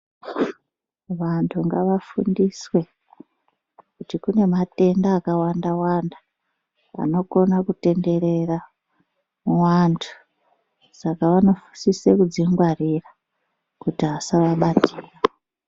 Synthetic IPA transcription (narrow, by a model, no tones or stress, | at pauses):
ʋantʰuŋɡaʋafṵndiswe̞ | kutikune̞mate̞ndaːkawandawanda | a̰no̞ko̞nakute̞nde̞ɾe̞ra | muwantʰu̥ | sakaʋano̞fu̥sisekud͡ziŋɡwarira | kutiɦasaʋaɓatiːro